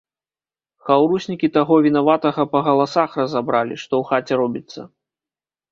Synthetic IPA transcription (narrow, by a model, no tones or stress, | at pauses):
xawɾusʲnʲikʲit̪aɣɔvʲinavat̪ɐɣɐpɐɣɐlˠasaxrɐzabɾalʲḭʂt̪ɔwxat͡sʲɛɾɔbʲit̪sːɐ̰